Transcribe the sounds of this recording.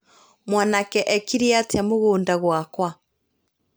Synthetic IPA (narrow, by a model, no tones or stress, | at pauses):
mwanakɛʔɛkiɾiateamoɣoːndaɣwakwa